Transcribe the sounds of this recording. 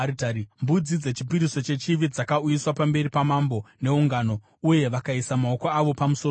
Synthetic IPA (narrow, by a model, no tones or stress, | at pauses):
itaɾimbud͡zid͡ze̞t͡ʃipiɾiso̞t͡ʃe̞t͡ʃiʋid͡zakaujiswapambe̞ɾipamambo̞ne̞uŋɡano̞ | uje̞ʋakaisamao̞ko̞aʋo̞pamuso